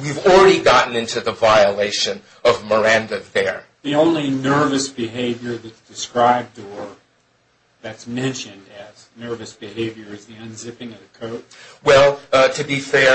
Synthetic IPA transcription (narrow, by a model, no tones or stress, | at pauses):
wivl̩ˠɹɛɾiɡɑʔn̩ɪ̃ntʰʉðəvaɪəleɪʃɨ̃n | ʌvmə˞æ̃ndɨðə˞ | ðiõʊ̃nlinɜ˞vɨsb̥ɨɦeɪvjə˞ðɨtsd̥ɨskɹaɪb̚də˞ | ðɨtsmɛ̃nʃɨ̃ndɨz | nɜ˞vɨsb̥ɨheɪvjə˞ɨzðiɨ̃nzɪpɪ̃ŋʌvɨkʰoʊt̚wɛlˠtʰɨbifɛ